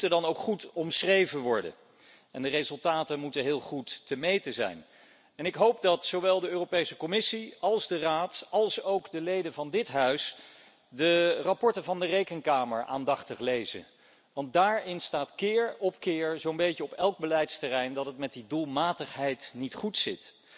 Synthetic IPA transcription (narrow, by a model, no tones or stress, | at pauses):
mutəndɑnowkχutɔmsrejvənʋɔɹdə̰n | ɛ̰ndərezɵlˠtaːtənmutəɦɪːlˠχutːəmejtəzɛ̰jn | ɛnɪkɦowp̚dɑtsowʋɛlˠdəøːrowpejsəkɔmɪsiɑlˠzdəraːtɑlˠsowkdəlejdənvɑndɪtɦœɥs | dərapɔɹtəvɑndərejkəŋkaːməɹʔa̰ːndɑχtəχlejzə̰ | ʋɑnt̚daːɹɪnstaːtkɪːɹɔpkɪːɹzownbejcəɔpɛlˠɡ̚bəlɛjtstərɛjndɑtətmɛt̚didulˠmaːtəχɦɛjtnitχutsɪt